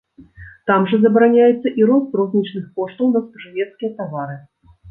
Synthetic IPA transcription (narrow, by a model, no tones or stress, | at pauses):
t̪amʐɐzɐbɾanʲajɛt̪sːɐʔiɾɔst̪rɔzʲnʲit͡ʂnɨxkɔʂt̪ɐwnɐspɐʐɨvʲɛt̪skʲijɐt̪avaɾɨ